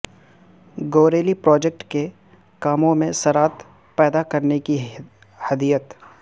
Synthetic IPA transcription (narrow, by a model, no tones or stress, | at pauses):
ɡoːɾeːlipɾɔːd͡ʒek̚ʈke | kaːmõmẽsɐɾaːt̪ | pɛːd̪akɐɾneki | hɐd̪iːət̪